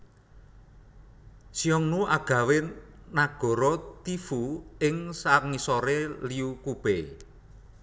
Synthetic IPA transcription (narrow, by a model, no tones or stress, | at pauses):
siɔŋnuaɡ̥ä̤wenaɡ̥ɔ̤ɾɔt̪ifuɪŋsaŋisɔɾeliukub̥e